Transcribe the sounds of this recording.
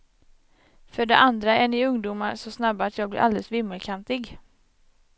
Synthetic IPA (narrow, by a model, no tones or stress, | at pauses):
fœɖɛʔand̪ɾaɛnɪɵŋd̪uːmaɾsɔsnabːat̪jɑːɡblɪ̰ɾʔa̰ld̪ɛlsvɪmːəlkʰant̪ɪɡ